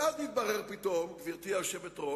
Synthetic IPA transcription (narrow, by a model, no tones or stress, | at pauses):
aznit̪̚baʁeʁpit̪omɡviʁt̪iaʃevet̪ʁo